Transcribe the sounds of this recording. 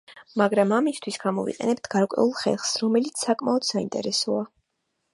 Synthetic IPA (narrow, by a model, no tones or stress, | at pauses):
maɡɾamamist̪ʰwisɡamɔvḭqʼɛ̰nɛb̚t̪ʰɡ̥aɾkʼwɛ̰ulˠχɛ̰lˠχsɾɔmɛlit̪sʰsːakʼmaɔd̪̥saḭnt̪ʼɛ̰ɾɛsɔa